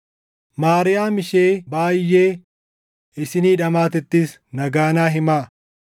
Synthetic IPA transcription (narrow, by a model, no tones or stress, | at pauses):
maːɾɪjaːmɪʃe̞ːbaːjːe̞ː | ɪsɪniːᶑɐmaːt̪ɛt̪ːiːs | nɐɡaːnaːɦɪmaː